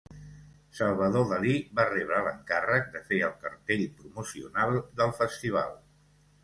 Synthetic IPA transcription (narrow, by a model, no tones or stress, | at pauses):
səlˠβəðoðəliβarɛβɾələŋkarək̚d̪əfeəlˠkə̰ɾt̪eʎpɾumusiṵnalˠd̪əlˠfəst̪iβ̞a̰lˠ